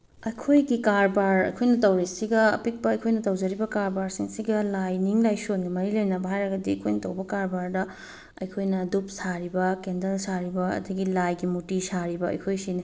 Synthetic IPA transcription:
ɐjkʰojɡikaɾbaɾɐ̰jkʰojnɐtɐwɾisiɡɐːpik̚pɐːjkʰojnɐtɐwd͡ʒɐɾibɐkaɾbaɾsiŋsiɡɐlajniŋlajsonɡɐmɐɾilojnɐbɐɦajɾɐɡɐdiɐjkʰojnɐtɐwbɐkaɾbaɾdɐ | ɐ̰jkʰojnɐdup̚saɾibɐkendɐnsaɾibɐɐ̰dɐɡilajɡimutisaɾibɐɐ̰jkʰojsini

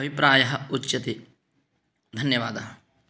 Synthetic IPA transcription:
ɐʋipɾaːjɐɦɐutːt͡ʃːɐt̪i | d̪ʱɐnjɐʋaːd̪ɐ

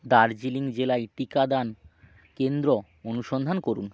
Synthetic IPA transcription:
d̪aɾd͡ʑiliŋd͡ʑelajʈikad̪an | kend̪ɾo | onuʃɔnd̪ʱankoɾun

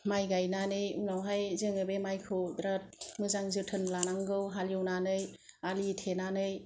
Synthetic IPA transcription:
majɡajnanɯjunawɦajzɯŋɯbemajkʰɯwdɾat̚mɯzaŋzɯtʰɯnlanaŋɡɯwɦaljɯwnanɯjalitʰenanɯj

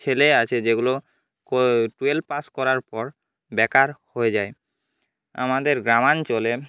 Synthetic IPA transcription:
t͡ɕʰeleat͡ɕʰed͡ʑeɡulo | koʈuelpaskɔɾaɾpɔɾ | bɛkaɾhoed͡ʑae | a̰mad̪eɾɡɾamant͡ɕole

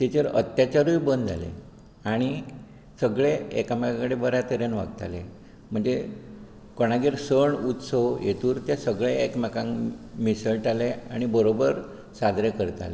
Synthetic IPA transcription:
t̪et͡ɕəɾə̰t̪jat͡ɕaɾujbənd̪a̰lḛ | aɽ̃i | səɡɭeɛkamakãkəɽebəɾjat̪əɾjenʋa̰ɡ̚t̪a̰le | m̤əɳd͡ze | koɽ̃aɡeɾsəɳut̪səwjet̪uːɾt̪jasəɡɭeekmakãŋmisəɭʈaleaɽ̃ibəɾobəɾ | sad̪ɾekəɾt̪a̰le

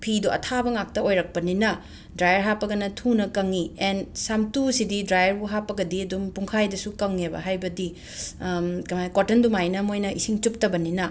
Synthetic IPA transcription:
pʰiduʔɐ̰tʰabɐŋak̚tɐojɾɐk̚pɐninɐ | dɾajɐɾɦapːɐɡɐnɐtʰunɐkɐŋiensamtusididɾajɐɾbuɦapːɐɡɐdiɐdumpuŋkʰajdɐsukɐŋebɐ̰ɦajbɐdi | kɐmajkotendumajnɐmojnɐʔisiŋt͡ʃup̚tɐbɐninɐ

